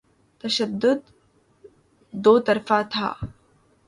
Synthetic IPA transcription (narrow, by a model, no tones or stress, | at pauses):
t̪əɕəd̪ːud̪ | ot̪əɾfat̪ʰa̰ː